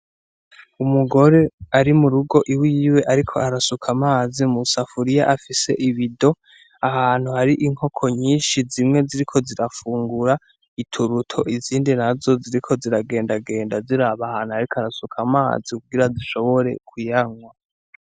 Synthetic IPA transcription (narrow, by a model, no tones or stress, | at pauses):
umuɡo̞ɾe̞aɾimuɾuɡo̞ʔiwiːwe̞ʔaɾikʰo̞aɾasukʰamaːzimusafuɾijaʔafise̞̰ʔiβido̞ | ahaːn̥huhaɾiʔiŋ̥ho̞kʰo̞ɲiːnʃizimŋe̞ziɾikʰo̞ziɾafuːŋɡuɾa | itʰuɾutʰo̞ʔiziːndinazo̞ziɾikʰo̞ziɾaɡe̞ːndaɡe̞ːndaziɾaβahaːnhuhaɾikoaɾasukʰama̰ːzikuɡiɾaziʃo̞βo̞ɾe̞̰kʰujaŋwa